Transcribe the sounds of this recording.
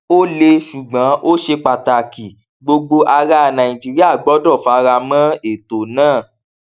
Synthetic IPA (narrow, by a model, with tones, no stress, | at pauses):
o˦le˧ʃu˨ɡ͡bã˨˦ʔo˦ʃe˧k͡pa˨ta˨ki˨ | ɡ͡bo˧ɡ͡bo˧ʔa˧ɾa˧˦˨nã˨i˨d͡ʒi˨ɾi˦a˦˨ɡ͡bɔ˨˦dɔ˦˨fa˧ɾa˧mã˦e˨to˨nãː˦˨